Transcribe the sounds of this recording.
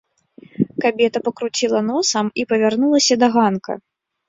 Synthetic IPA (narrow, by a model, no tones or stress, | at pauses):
kabʲɛt̪ɐpɐkɾut͡sʲilˠɐnɔsɐmipɐvʲarnulˠɐsʲɐd̪ɐɣankɐ̰